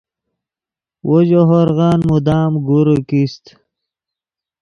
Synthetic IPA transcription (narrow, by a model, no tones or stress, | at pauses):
wʔod͡ʑoɦoɾɣɑːnmud̪aːmɡuɾukist̪